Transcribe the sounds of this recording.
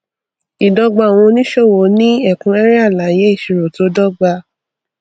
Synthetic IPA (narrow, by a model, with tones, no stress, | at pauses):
i˨dɔ˧ɡ͡ba˧˨w̃ɔ̃˧nĩ˦ʃo˦˨wo˨˦nĩ˦ɛ˦˨kũ˧ɛ˦ɾɛ˦a˦˨la˨˦˨je˦i˦˨ʃi˨ɾo˨to˨˦dɔ˦ɡ͡ba˧